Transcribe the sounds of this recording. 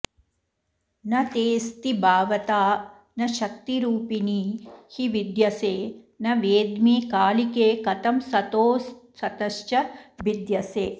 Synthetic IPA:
nɐt̪eːst̪ibaːʋɐt̪aː | nɐʃɐk̚t̪iɾuːpiniːhiʋid̪jɐseː | nɐʋeːd̪miːkaːlikeːkɐt̪ɐmsɐt̪oːsː | ɐt̪ɐʃt͡ʃɐbid̪jɐseː

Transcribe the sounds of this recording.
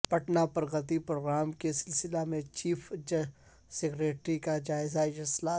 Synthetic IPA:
pɐʈnapɐɾɣɐt̪ipɾoːɡɾaːmkesɪlsɪlamẽt͡ʃiːfd͡ʒ | seɡɾeːʈɾikad͡ʒaːɪzad͡ʒɐlsla

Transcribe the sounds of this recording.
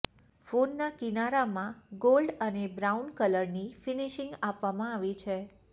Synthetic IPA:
fonːakinaɾamãɡolɖənebɾaunkələɾnifiniʃɪ̃ŋɡapʋamãaʋit͡ʃʰe

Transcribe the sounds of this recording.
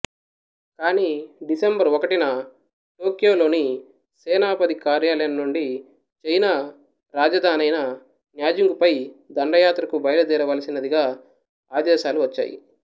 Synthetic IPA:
kaːniːɖisembɐɾɔkɐʈinɐ | ʈo̞ːkjo̞ːlo̞ːni | seːnaːpɐd̪ikaːɾjaːlɐjɐnnuɳɖi | t͡ʃejnɐ | ɾaːd͡ʒɐd̪ʱaːnɐjnɐ | njaːd͡ʒiŋɡupɐjd̪ɐɳɖɐjaːt̪ɾɐkubɐjɐlɐd̪iːɾɐʋaːlɐsinɐd̪iɡaː | aːd̪ɛːʃaːluʋɐt͡ʃːa̰ːjḭ

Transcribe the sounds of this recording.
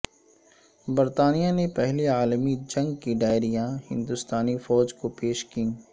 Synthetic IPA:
bɐɾt̪aːnijanepɛɦliaːlmid͡ʒɐ̃ŋɡkiɖaːɪɾijãhɪ̰̃nd̪ʊst̪aːnifɔːd͡ʒkopeːʃkĩː

